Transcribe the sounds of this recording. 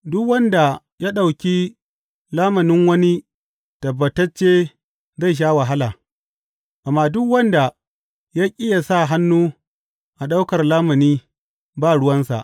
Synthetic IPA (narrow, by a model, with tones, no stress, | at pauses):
dʊ˦kwɐ˦nda˨ | jaː˦ɗa˨wkʲi˦ | laː˦mɐ˨nɪ˦ŋwɐ˦ni˦ | tɐ˨bːɐ˨tɐ˦t͡ʃːeː˦ | za˦˨ʃ̬aː˦wa˨ɦa˦laː˨ | ʔa˨mːaː˦dʊ˦kwɐ˦nda˨ | jaː˦ʔʲʼɪ˦ja˨sa˦˨ɦa˦nːuː˦ | ʔa˨ɗa˦wkɐ˨rlaː˦mɐ˨niː˦ | baː˦˨ɽʊ˦wɐ˦nsa̰˨ʔ